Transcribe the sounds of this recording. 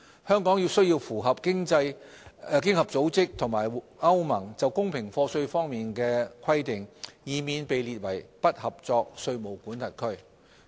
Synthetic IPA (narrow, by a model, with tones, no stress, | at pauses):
hœː˥ŋkɔː˨˥ŋjiː˧wsɵ˥ɥjiː˧wfuː˨˩ɦɐ˨p̚kɪ˥ŋt͡sɐ˧j | kɪ˥ŋhɐ˨p̚t͡so˨˥wt͡sɪ˥k̚t̪ʰʊ˨˩ŋmaː˨˩j | ɐ˥wmɐ˨˩ŋt͡sɐ˨wkʊ˥ŋpʰɪ˨˩ŋfɔː˧sɵ˧ɥfɔː˥ŋmiː˨nkɛː˧kʰɐ˥jt̪ɪ˨ŋjiː˨˧miː˧npe˨jliː˨t̚wɐ˨˩jpɐ˥t̚hɐ˨p̚t͡sɔː˧k̚sɵ˧ɥmo˨˩wkuː˨˥nt̪ʰɐ˨˩t̚kʰɵ˥ɥ